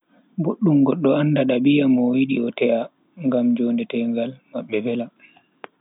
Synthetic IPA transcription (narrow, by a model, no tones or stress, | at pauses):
boɗːumɡɔɗːɔanːdaɗabijamɔwiɗiɔtɛʔa | ŋɡamd͡ʒoːndɛtɛŋɡalmaɓːɛvɛla